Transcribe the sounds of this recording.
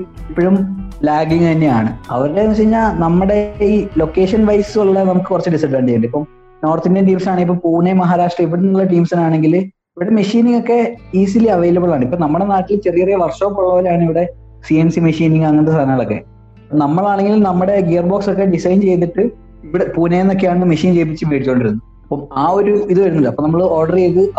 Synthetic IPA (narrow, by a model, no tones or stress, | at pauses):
ipːoɻumlaːɡiŋt̪ɐnːeaːɳɨ̰ɐ̰ʋɐɾɾeːnːɨt͡ɕeriɲːaːlnɐmːɐɽe̞iːlo̞kːe̞ːʂɐnʋɐjsuɭːɐnɐmukːɨkurɐt͡ɕːɨɖisɐɖaːɳɖit͡ɕejːuɳɖipːo | no̞ːrt̪indɐnʈiːmsaːɳɨipːoːpuːnemɐɦaːɾaːʂʈrɐiʋːiɽumuɭːɐʈ̬iːmsinaːɳe̞ŋɡil | iʋiɽe̞meʂiːniŋːɡo̞kːe̞iːsiliɐʋejlɐbɨɭaːɳipːoːnɐmːuɽe̞naːʈːilt͡ɕerijɐrijɐʋɐrʂoːpːoɭːɐʋɐlaːɳɨiʋiɽe̞ | siensimeʂiːniŋɡɐŋːɐnɐðɨsʰaːnɐŋːɐɭokːḛ | ɐpːonɐmːɐɭaːɳe̞ŋɡilnɐmːuɽe̞ɡijɐrboksokːe̞ɖisɐjnt͡ɕe̞jt̪ːiʈːɨ | iʋiɽepuːnejenːok̬ːejaːɳnːɨmeʂiːnt͡ɕe̞jp̬ːit͡ɕːɨʋeːɽit͡ɕːkoɳɖiɾunːu | ɐpːomaːo̞ɾuiðɨʋɐɾunːɐlɐpːonɐmːɐɭɨo̞ːrɖɐrejðɨ